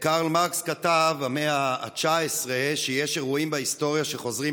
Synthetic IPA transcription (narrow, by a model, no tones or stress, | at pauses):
kaʁlmaʁkskatavameaːt͡ʃaesʁeʃejeʃeʁuimbaisto̞ʁjaʃe̞χo̞zʁi